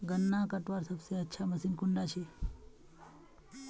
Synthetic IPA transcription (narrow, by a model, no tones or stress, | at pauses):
ɡənːakəʈʋaɾsəbseətːʃʰaməsiːnkʊɳɖat͡ʃʰe